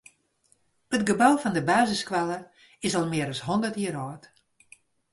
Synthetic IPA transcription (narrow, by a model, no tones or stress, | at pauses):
ətɡəbawfɔndəbaːzəskʋalˠə | ɪsɔlˠmɪəɾɔshɔndərtjiəɾɔːt